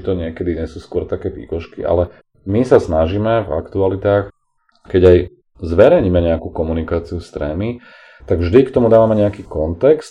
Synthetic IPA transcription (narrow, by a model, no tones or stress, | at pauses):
t̪ɔɲɪɛkɛd̪iɲɛsuːskʊɔɾt̪akɛːʋḭːkɔʃkḭʔa̰lɛ | misasnaʒiːmɛva̰kt̪ualit̪aːx | kɛɟaj | zʋɛɾɛjɲiːmɛɲɛakukɔmunikaːt͡siust̪ɾɛ̰ːmi | t̪aɡvʒd̪ikt̪ɔmud̪aːʋamɛɲɛakiːkɔnt̪ɛkst̪